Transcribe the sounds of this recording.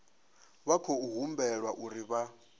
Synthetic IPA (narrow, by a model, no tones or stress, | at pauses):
βakʰɔuɦumbɛɺwaʔuɾiβa